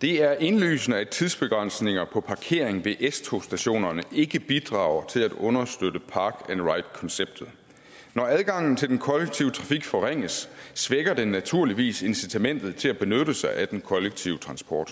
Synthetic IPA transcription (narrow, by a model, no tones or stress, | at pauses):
d̥e̝æɐʔe̝nly̰ːsnəæt͡sʰiðˠsb̥e̝ɡ̥ʁan̰sne̝ŋɐpʰɒ̽pʰɑ̈kʰe̝̰ɐ̰eŋʋe̝ʔest͡sʰo̝sd̥æɕo̝̰ːnɐnəe̝ɡ̥əb̥id̥ʁɑ̰̈ːʊɐt͡sʰe̝læd̥ɔ̽nɐsd̥ød̥əpʰɑ̈ːɡ̥ænʁɑ̈ɪd̥kʰɒ̽nseb̥̚d̥ð̩ˠ | nɒæð̞ˠɡ̥ɑ̈ŋ̰n̩t͡sʰe̝ldenkʰɒ̽leɡ̥̚t͡sʰiʊə̥t͡sʰʁɑ̈fiɡ̥fɒʁeŋ̰əsːʋeɡ̥ɐd̥e̝næt͡sʰuɐ̰liʋḭːse̝nsit͡sʰæmen̰d̥ð̩ˠt͡sʰe̝læb̥e̝nøɾəsɑ̈ɪʔæd̥enkʰɒ̽leɡ̥̚t͡sʰiʊət͡sʰʁɑ̈nsb̥ɒ̰ːd̥